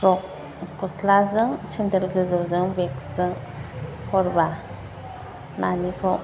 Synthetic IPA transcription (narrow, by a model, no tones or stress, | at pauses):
ɾɔk̚ː | ɔslazɯŋsindəlɡɯzɔwzɯŋbekzɯŋ | hʰɔɾba | nanikʰɔ